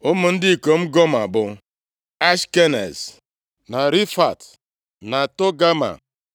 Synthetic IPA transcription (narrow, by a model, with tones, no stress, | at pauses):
o˦mʊ˨n̩˦dɪ˦i˨ko˨m̩˦ɡɔ˦ma˨bʊ˨ | a˦ʃke˦nḛ˨z | na˨ɾi˦fa̰˨t | na˨to˦ɡa˦ma̰˨